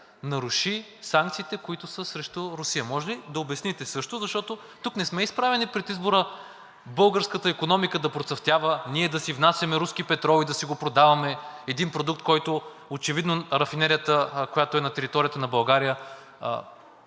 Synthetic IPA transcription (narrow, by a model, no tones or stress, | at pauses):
nɐɾuʃi | saŋkt̪siːt̪ɛkoit̪ʊsəsɾɛʃt̪oɾʊsijəmɔʒɛlid̪ɐobɛsnit̪ɛsɤʃt̪ozɐʃt̪ɔt̪o | t̪uknɛsmɛispɾavɛnipɾɛt̪izboɾə | bɤlˠɡəɾskət̪əikonɔmikəd̪ɐpɾot̪sɐft̪javəniɛd̪ɐsivnasʲjɐmɛɾuskipɛt̪ɾɔlˠid̪ɐsiɡopɾod̪avɐmɛɛd̪inpɾod̪uk̚t̪kɔjt̪o | ot͡ʃɛvid̪noɾɐfinɛɾijət̪əkojat̪oɛnɐt̪ɛɾit̪ɔɾijət̪ənɐbɐlˠɡaɾijə̰